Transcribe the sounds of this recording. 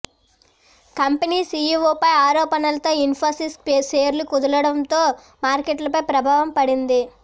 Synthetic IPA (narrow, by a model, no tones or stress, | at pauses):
kɐmpɐniːsiːjuʋoːpɐjaːɾɔːpɐnɐlɐt̪o̞ːinpʰoːsispeseːɾlukud̪ɐlɐɽɐnt̪o̞ː | maːɾkeʈlɐpɐjpɾɐbʱaːʋɐmpɐɽind̪i